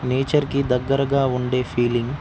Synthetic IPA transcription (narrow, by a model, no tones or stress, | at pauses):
neːt͡ʃɐɾkid̪ɐɡːɐɾɐɡaːuɳɖe̞ːpʰiːliŋɡ